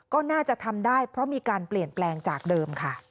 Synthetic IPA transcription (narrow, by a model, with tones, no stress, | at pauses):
kɔː˥˩naː˥˩t͡ɕa˨˩t̪ʰa˧mdaː˥˩jpʰɾɔ˦˥miː˧kaː˧npli˨˩ənplɛː˧ŋt͡ɕaː˨˩k̚dɤː˧mkʰa˥˩